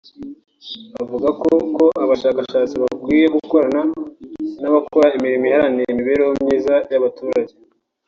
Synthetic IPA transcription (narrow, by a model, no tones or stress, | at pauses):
avuɡakoko̞ʔaβaʃaːkaʃaːt͡siβakwiːje̞ɡuko̞ɾana | naβakoɾaimiɾimihaɾanijemiβe̞ːɾehomɲiːzajaβatuːɾaɟe